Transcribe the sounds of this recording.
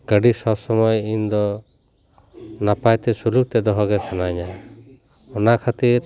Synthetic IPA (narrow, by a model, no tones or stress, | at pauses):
ɡ̥əɖisɔbsɔmɔjind̪ɔ | napajt̪ɛsuluk̚t̪ɛd̪ɔɦɔɡɛsanaɲa | ɔnakʰat̪iɾ